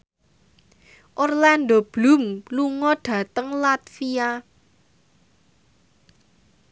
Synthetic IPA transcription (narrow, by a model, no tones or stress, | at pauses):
ʔorland̪ob̥lṳmluŋɔɖ̥ä̤t̪əŋlat̪fia